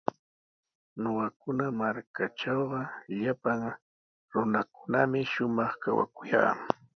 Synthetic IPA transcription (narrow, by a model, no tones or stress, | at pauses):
noɢɑkʊnamaɾkaʈ͡ʂɑwɢɑʎapaŋ | ɾʊnakʊ̥namɪʃʊmɑχkawa̰kʊja̰ː